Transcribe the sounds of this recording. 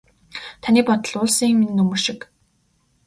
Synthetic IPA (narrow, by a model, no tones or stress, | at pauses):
t̪ʰaniːpɔt̪ə̆ɮʊːɮsiːŋminɘ̆nɵmɵ̆ʃɪ̆k